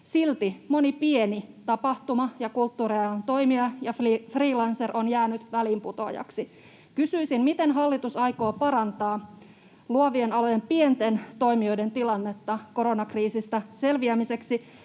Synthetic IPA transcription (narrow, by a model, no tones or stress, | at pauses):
silt̪imo̞nipie̞nit̪ɑpɑht̪umɑjɑkult̪ːuːɾeɑnt̪o̞imiɑjɑfifriːlɑnserʔonjæːnyt̪ʋæliːmput̪o̞̰jɑ̰ksi | kysyisinmit̪e̞nɦɑlːit̪usɑjko̞ːpɑɾɑnt̪ɑː | luɑʋienɑlojempient̪e̞nt̪o̞imio̞jde̞nt̪ilɑnːe̞t̪ːɑko̞ɾonɑkriːsist̪ɑse̞lʋiæmise̞ksi